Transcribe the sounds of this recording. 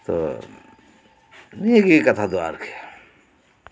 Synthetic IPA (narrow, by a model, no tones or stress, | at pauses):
t̪o̰ | nieɡikɐt̪ʰad̪oa̰ɾkʰe̥